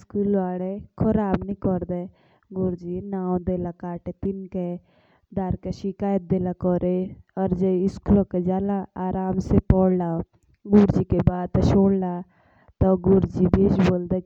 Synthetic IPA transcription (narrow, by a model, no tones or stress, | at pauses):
skulʋaːɽekʰɔɾaːbnĩkɔɾd̪e | ɡʊɾd͡ʒinaːõd̪eːlakaːʈet̪inke | d̪aːɾkeʃɪkaːjət̪̚d̪eːlakɔɾeɔɾd͡ʒeɪskulõked͡ʒaːlaaːɾʔaːmsepɔɽla | ɡuɾd͡ʒikebaːd̪̚t̪ʃoːɽla | t̪ɔɡʊɾd͡ʒibed͡ʒboːld̪e